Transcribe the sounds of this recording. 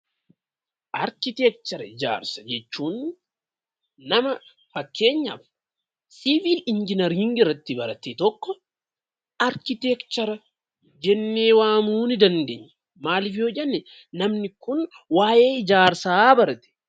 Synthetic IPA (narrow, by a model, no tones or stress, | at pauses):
ʔɐɾkɪt̪ɛk̚t͡ʃ̪ɐɾɐɪd͡ʒa̰ːɾsɐ̥d͡ʒɛt͡ʃːuːn | ɐmɐ | fɐkʰːe̞ːɲːɐ̰f | sivilɪnd͡ʒɪnɐɾhɪŋɡɪrːɐt̪ːɪbɐɾɐt̪eːt̪ɔkːɔ | ʔɐɾkɪt̪ɛkt͡ʃɛɾɐ | d͡ʒɛnːeːwaːmuːnɪd̪ɐnd̪ḛːɲːɛ | maːlɪfɪjɔd͡ʒɛnːɛ | nɐmnɪkʊn | waːje̞ːɪd͡ʒaːɾsaːbɐɾɐt̪ɛ̥